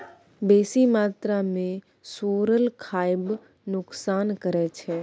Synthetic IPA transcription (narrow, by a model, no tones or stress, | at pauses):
beːsimaːt̪ɾamẽ | soːɾəlkʰaːɪb | nʊksaːnkəɾɛt͡ʃʰɛː